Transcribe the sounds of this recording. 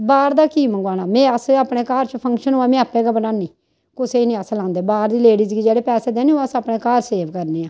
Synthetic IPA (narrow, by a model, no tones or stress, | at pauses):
baːɾd̪aːkiːməŋɡaːnaːmɛ̃ːəsaːpɽeːkaːɾt͡ʃəpʰə̃ŋkʃənɦoːaːmẽːaːpɛ̃ːɡaːbənaːniː | kʊseinĩːəslãːnd̪eːbaːɾd̪iːleːɽiːzɡiːd͡ʒeːɽeːpɛːseːd̪eːneːoːəsaːpneːkaːɾseːʋkəɾneːãː